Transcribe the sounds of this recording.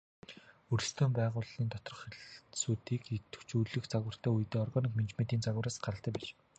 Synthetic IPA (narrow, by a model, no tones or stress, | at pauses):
ɵɾ̆st̪ʰɵːmpæːʁʊːɮiːnt̪ʰɔt̪ɞ̆rɞ̆χeɮsuːt̪iːket̪ɵ̥wt͡ɕuɮɘ̆xt͡saɣwə̆r̥t̪ʰæːuj̆t̪eːɔrɣɔːniːkment͡ɕmeːt̪iːnt͡saɣwə̆raːsɢaɮt̪ə̆pʲiʃ